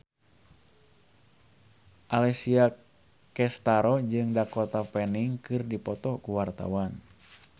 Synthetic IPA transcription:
ʔalɛsia | kɛst̪aɾɔd͡ʒɨŋdakɔt̪apɛniŋkɨrdipɔt̪ɔkuwart̪a̰wan

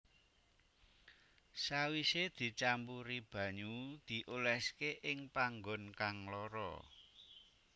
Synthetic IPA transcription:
sawised̪̥i̤t͡ʃampuɾib̥ä̤ɲud̪̥i̤ʔolɛskeʔɪŋpaŋɡɔnkaŋlɔɾɔ̰

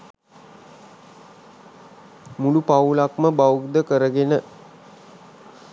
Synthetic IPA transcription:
mulupawulakməbawrd̪əkəɾəɡenə

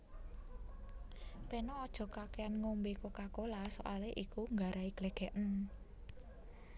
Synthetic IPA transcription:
penɔːd̥ʒ̥ɔ̤kakeanŋombekokakolaso̰ʔaleʔikuŋɡaɾʔaiɡ̥leɡ̥ɛ̤ʔən

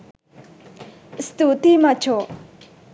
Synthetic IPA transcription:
st̪ut̪imat͡ɕʰo

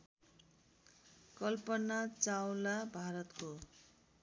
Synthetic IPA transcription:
kʌlpʌnat͡sawlabʱaɾʌt̪ko

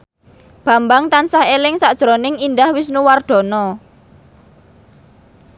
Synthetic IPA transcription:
b̥ä̤mbaŋt̪ansahelɪŋsaʔd̥ʒ̥ɾonɪŋind̪ahwɪsnuward̪̥ɔ̤nɔ

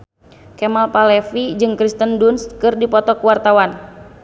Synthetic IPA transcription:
kɛmalpalɛfid͡ʒɨŋkɾist̪əndunskɨrdipɔt̪ɔkuwart̪awan

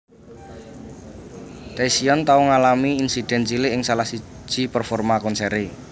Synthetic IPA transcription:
t̪ɛsiɔnt̪auŋalamiːnsid̪̥ɛ̤nt͡ʃilɪɪŋsalahsi̥ | ʒ̥i̤pərfɔrmakɔnsɛɾe

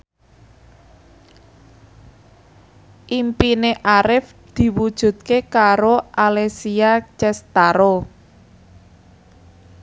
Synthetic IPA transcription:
ʔimpineʔaɾɪf | d̪̥i̤wud̥ʒ̥ṳd̪̚kekaɾoʔalesiat͡ʃɛst̪aɾo

